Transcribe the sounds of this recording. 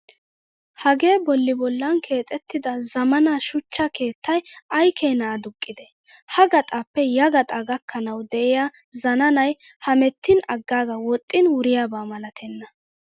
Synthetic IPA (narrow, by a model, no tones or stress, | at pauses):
hɐɡe̞ːbɔlːɪbɔlːɐnkʰe̞ːt̪ʼɛt̪ːɪd̪ɐzɐmɐnaʃʊt͡ʃːɐke̞ːt̪ːɐjɐjkʰeːnaːd̪ʊkʼːɪd̪ɛ | hɐɡɐt̪ʼaːpːɛjɐɡɐt̪ʼɐɡɐkʰːɐnɐwd̪ɛʔɪjaːzɐnɐnɐjhɐmɛt̪ːɪnɐɡːaːɡɐwɔt̪ʼːɪnwʊɾɪjaːbaːmɐlɐt̪ʰɛnːɐ